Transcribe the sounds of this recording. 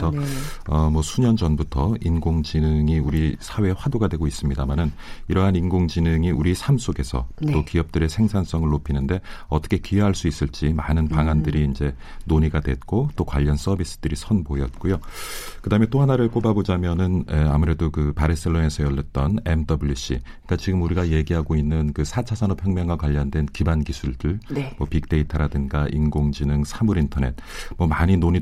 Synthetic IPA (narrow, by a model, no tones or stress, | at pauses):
sʰʌʌmwʌsʰuɲʌnd͡ʑʌnbutʰʌinɡoŋd͡ʑinɯŋiuɾisʰawe̞ɸwadoɡadwe̞ɡois͈ɯmɲidamanɯniɾʌɦaninɡoŋd͡ʑinɯŋiuɾisʰamsʰoɡe̞sʰʌ̰t͈okiʌp̚t͈ɯɾe̞sʰe̞ŋsʰans͈ʌŋɯɭːopʰinɯnde̞ʌt͈ʌ̥kʰe̞kieɦaɭs͈uis͈ɯɭt͡ɕ͈imanɯnpaŋandɯɾiːnd͡ʑe̞ | noɲiɡadwe̞t̚k͈ot͈okwa̰ʎːʌns͈ʌbis͈ɯ̥d̥ɯɾisʰʌnbojʌt̚k͈ujokɯdaɦɯment͈oɦanaɾɯɭk͈obabod͡ʑamjʌnɯneamuɾe̞dokɯpaɾis͈eɭːone̞sʰʌjʌʎːʌt̚t͈ʌne̞mdʌbuɭjuɕ͈ḭ | ik͈at͡ɕiɡɯmuɾiɡaje̞ɡiɦaɡoinːɯnkɯsʰat͡ɕʰasʰanopʰjʌŋmjʌŋɡwakwaʎːʌndwe̞nkibankisʰuɭdɯɭmwʌpik̚t͈e̞itʰɯɾadɯnɡaʔinɡoŋd͡ʑinɯŋsʰamuɾintʰʌne̞̰t̚ | mwʌmaɲinoɲi